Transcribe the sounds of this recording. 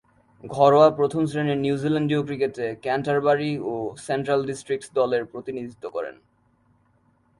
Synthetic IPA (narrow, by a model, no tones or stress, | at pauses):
ɡʱɔɾoapɾot̪ʰomsɾeneɾnjuzilaɳɖiokɾiketekɛnʈaɾbaɾiosenʈɾalɖisʈɾik̚ʈd̪ɔleɾpɾot̪inid̪ʱit̪ːokɔ̰ɾḛn